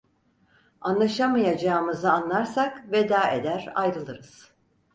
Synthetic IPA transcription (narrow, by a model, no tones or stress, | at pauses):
anlˠaʃamajad͡ʒaːɯmɯzɯanlˠaɾsakved̪aːe̞̰d̪æɾa̰jɾɯlˠɯɾɯz̥